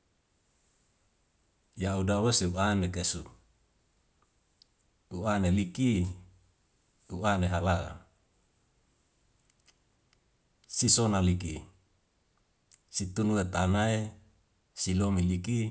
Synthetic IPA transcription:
jaudaweseuʔanekesu | uaneliki | uʔaneɦalaa̰ | sisonalikḭ | sit̪unuet̪anae | silomiliki

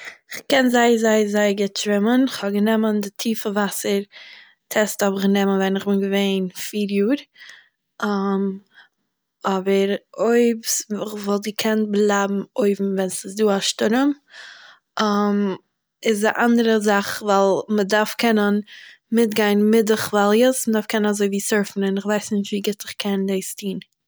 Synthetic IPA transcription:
ɪχkɛnzaɪəzaɪəzaɪɡɪtʃɾɪmənɪχhɔbɡənɛməndɪtʰiːfəvasəɾ | tʰɛsthɔbɪχɡənɛmənvɛnɪχbɪnɡəveɪnfiːɾjuːɾ | m | ɔbəɾoɪpsɪχvɔlˠtɪkʰɛnblˠabm̩oɪbm̩vɛnsɪsduːaʃtʊɾəm | ʔam | ɪs̬dɪʔandəɾəzaχvalˠmədaɾfkʰɛnən | mɪtɡaɪnmɪdɪχvalˠjəsmədaɾfkʰɛnənazoɪviːsøɾfn̩ɪnɪχvaɪsnɪʃtviːɡɪtɪχkʰɛndeɪstʰiːn

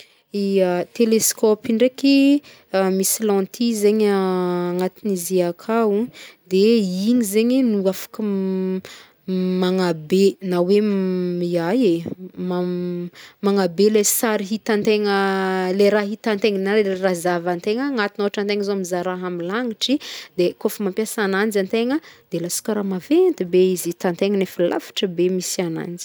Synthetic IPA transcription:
iət̪eleskɔpiɳɖ͡ʐeki | misilɔ̃nt̪ʰizeɲaŋat̪iniziakʰaud̪eiɲizeɲinuafḁkə | maŋabenawemiajema | maŋabelesaɾiɦit̪ant̪eŋəleɾaɦit̪ant̪eŋnaerazavant̪eŋəŋat̪inoaʈ͡ʂant̪eŋəzomizaɾaɦamilaŋiʈ͡ʂid̪ekofəmampjasanand͡ʒant̪eŋəd̪elasi̥kaɾamavent̪ibeizit̪ant̪eŋənefila̰fi̥ʈ͡ʂəbemisiana̰nd͡ʒi̥

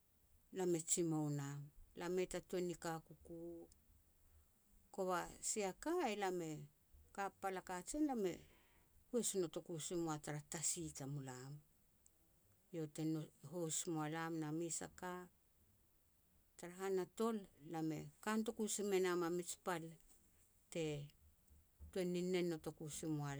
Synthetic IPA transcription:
lame̞t͡ʃimownamlame̞tatonikakuku | ko̞βasiakaelame̞ | kapalakat͡ʃenlame̞̰ | hwe̞sinoto̞kusimoataɾatasitamulam | jo̞te̞noho̞smoalamnamisa̰ka | taɾaɦanato̞lːame̞̰kanto̞kusime̞namamit͡ʃpal | te̞ | tue̞nːinːe̞nːo̞to̞kusimoa

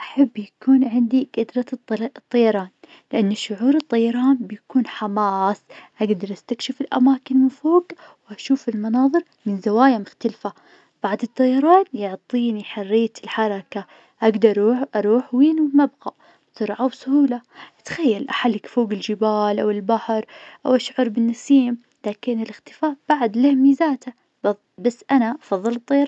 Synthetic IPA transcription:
ʔaħabːjakuːnʕɪnd̪iɡad̪ɾˤɑt̪ˤːɑjɑɾˤɑːn | lɪʔanːʊʃːʊʕuːɾɨt̪ˤːɑjɑɾˤɑːnbɪjakuːnħamaːsʔaɡd̪ɑɾˤʔast̪akʃɪfɪlʔa̰maːkɪnmɪfoːɡ | wʔaʃuːfɪlmɑnɑːðˤɨɾ | mɪnzawaːjamʊxt̪alfa | b̥aʕd̪ˤɨt̪ˤːɑjɑɾˤɑːnjʊʕt̪ˤiːniħarːɪjːat̪ɪlħɑɾˤɑka | ʔaɡd̪ɑɾˤʔɑɾˤuːħwiːnwmabɣa | sʊɾʕawsʊhuːlaʔat̪xajːalʔaħalːɪkfoːɡɪld͡ʒɪbaːlʔawɪlbaħɾˤʔawʔaʃʕʊɾˤbɪnːɑsˤiːm | laːkɪnɪlɪxt̪ɪ̥faːʔb̥aʕd̪lɪhmiːzaːt̪a | basːʔanaʔɑfɑðˤːɨlɨt̪ˤːɑjɑɾˤɑ

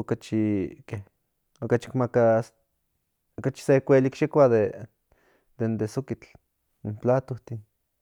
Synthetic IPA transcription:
okat͡ʃike | okat͡ʃi̥kmakas | okat͡ʃi̥sekʷelikʃekʷad̪e | d̪end̪esokit͡ɬ | implat̪oht̪in

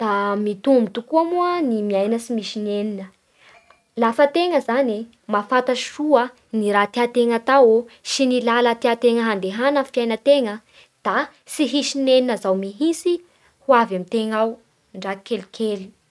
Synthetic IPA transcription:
d̪̥amit̪umbit̪ukuamuənimiajnəsimisineninə | lafət̪eŋəzani | mafat̪aʃruə | niɾat̪eat̪eŋat̪aosinilalət̪eat̪eŋəɦand̪eɦanəfjajnət̪eŋə | d̪̥a | siɦisineninəzawmiɦisi | huavamit̪eŋaw | ɳɖ͡ʐakelikʰeli̥

